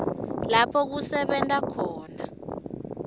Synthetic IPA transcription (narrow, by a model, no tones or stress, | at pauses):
lapʰɔk̬usɛɓɛntʼakʰɔːna